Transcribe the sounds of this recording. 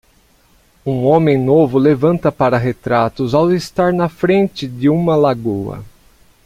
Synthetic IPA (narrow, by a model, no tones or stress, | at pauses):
ũõmẽj̃novʊlevɐ̃nt̪ɐpaɾɐɦet̪ɾat̪ʊzawɪst̪aɾnɐfɾẽnt͡ʃ̪ɪd̪ɪũmɐlaɡowɐ̰